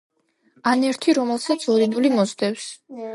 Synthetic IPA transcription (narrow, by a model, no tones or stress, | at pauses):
anɛɾt̪ʰiɾɔmɛlˠsat̪sʰɔɾinulimɔzd̪ɛws